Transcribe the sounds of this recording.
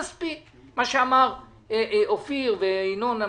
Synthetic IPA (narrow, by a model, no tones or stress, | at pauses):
spi | maʃeamaʁ | ofiʁveinona